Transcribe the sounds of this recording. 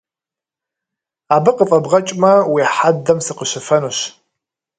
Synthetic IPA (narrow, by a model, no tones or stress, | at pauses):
aːbɨqəfʼɐbʁɐt͡ʃʼmɐwiħadɐmsɨqəɕɪfɐnuɕ